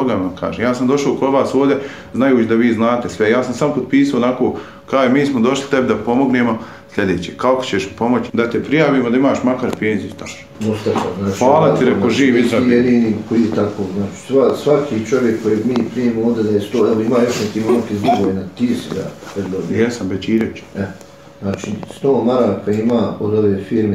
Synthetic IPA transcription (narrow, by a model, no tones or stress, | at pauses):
oɡaamka̰ːʒeːmjaːsamd̪o̞ʃaokoʋaːsoːʋd̪e | znajuːt͡ʃd̪aʋiːznaːt̪esʋejaːsamsamopod̪̚piːsaoːnakoː | kɾaːjmiːsmod̪o̞ʃli̥t̪ebd̪apo̞mo̞ɡneːmo̞ | slʎʲed̪eːt͡ɕeːkakot͡ɕeʃpo̞mot͡ɕd̪at̪epɾijaːʋiːmod̪aimaːʃmakaɾpeːnzit̪a | ost̪at̪a̰znaːt͡ʃfaːlˠat̪iɾekoʒiːʋiɾajed̪iːnikʰoiːt̪akoːznaːt͡ʃi̥sʋasʋakʰiːt͡ʃo̞ʋjekːojeːɡmiːpɾiemooːd̪ed̪ajest̪oːɛʋoimaːjo̞ʃnekiːmankizluɡojenat̪iːsila̰pɾed̪d̪objɛsambet͡ʃiːɾet͡ʃḁɛ | znaːt͡ʃiːst̪oːmaɾaːkaimaːod̪o̞ʋeːfiːɾme